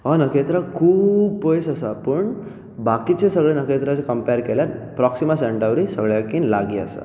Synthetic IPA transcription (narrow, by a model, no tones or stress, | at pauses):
ɔnəket̪ɾakʰuːbpojsəsapəɳ | bakit͡ɕesəɡɭenəket̪ɾat͡sekəmpeɾkeljaɾpɾɔksimaseɳʈəʋɾisəɡɭjakinlaɡiə̰sa̰